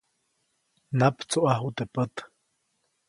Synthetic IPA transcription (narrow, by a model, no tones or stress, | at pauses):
napt͡suʔaɦut̪epət̪